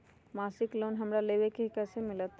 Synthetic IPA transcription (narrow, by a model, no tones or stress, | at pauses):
maːsɪklonɦəmɾaleːʋekeɦikɛsemɪlət̪